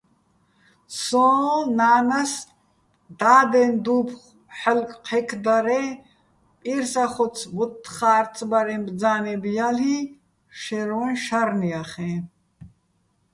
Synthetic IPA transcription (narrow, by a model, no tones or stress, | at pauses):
sɔːnaːnas | d̪̥aːd̪ɛnd̪upʰχ | ħəlkʼqʰɛkʰd̪aɾɛ | pʼiɾsaχɔsʰvɔt̪ʰːχaːɾt̪ʼbaɾɛnbd͡zaːnɛbijali | ʃɛɾɔɛnʃaɾniaχɛ̃